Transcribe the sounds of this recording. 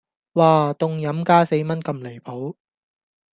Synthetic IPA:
waː˨t̪ʊ˨ŋjɐ˨˥mkaː˥se˧jmɐ˥nkɐ˧mle˨˩jpʰo˨˥w

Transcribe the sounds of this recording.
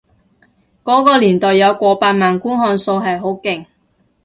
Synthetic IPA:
kɔː˨˥kɔː˧liː˨˩nt̪ɔː˨jːɐ˨˧wkʷɔː˧paː˧t̚maː˨nkuː˥nɦɔː˧nso˧wɦɐ˨jɦo˨˥wkɪ˨ŋ

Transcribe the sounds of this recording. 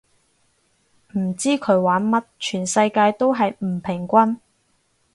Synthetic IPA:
m̩˨˩t͡siː˥kʰɵ˨˧ɥwaː˨˥nmɐ˥t̚t͡ʃʰyː˨˩nsɐ˧jkaː˧jt̪o˥wɦɐ˨jm̩˨˩pʰɪ˨˩ŋkʷɐ˥n

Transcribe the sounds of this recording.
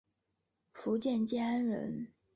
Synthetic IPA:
fu˧˥t͡ɕjɛ˥˩nt͡ɕjɛ˥a˥nɻə̰˧˥n

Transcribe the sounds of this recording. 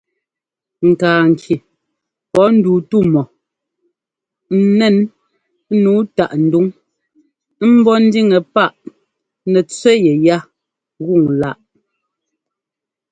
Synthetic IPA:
ŋ̩˨kaː˨ŋ˨kʰi˨ | pɔ˨˦n̩˦duː˨tu˦˨mɔ˨ | n̩˨˦nɛ˦n˦ | nuː˨˦ta˨ʔn̩˨du˦ŋ˦ | m̩˦bɔ˦n̩˦di˦ŋɛ˨pa˦˨ʔ | nɛ˨t͡swɛ˦jɛ˨ja˦ | ɣu˦˨ŋla˦ʔ

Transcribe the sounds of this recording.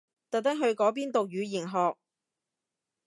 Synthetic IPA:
t̪ɐ˨t̪ɐ˥ŋɦɵ˧ɥkɔː˨˥p̬iː˥nt̪o˨k̚jyː˨˧jiː˨˩ŋɦɔː˨k̚

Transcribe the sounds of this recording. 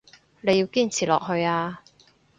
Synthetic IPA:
le˨˧ji˧wkiː˥nt͡sʰiː˨˩lɔ̰ː˨k̚ɦɵ˧ɥaː˧

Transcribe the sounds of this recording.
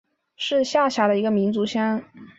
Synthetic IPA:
ʂɻ̩˥˧ɕja˥˩ɕja˧˥d̪ə˧i˧˥ɡə˧mi˧˥nt͡su˧˥ɕjɑ˥n

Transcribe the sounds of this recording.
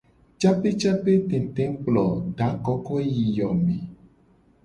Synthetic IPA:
t͡ʃa˦pe˦t͡ʃa˦pe˦t̪ẽ˨t̪ẽ˨˦k͡plɔ˨ɖa˨˦kɔ˦kɔ˦e˦ji˨jɔ˨mẽ˨

